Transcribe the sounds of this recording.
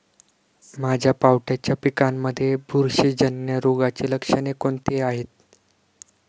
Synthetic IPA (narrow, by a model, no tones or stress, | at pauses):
mad͡ʑʱjapawʈat͡ɕjapikanməd̪ʱːjebʱuɾɕid͡ʑənːjəɾoɡat͡ɕeləkʂənekoɳt̪eaɦet̪̚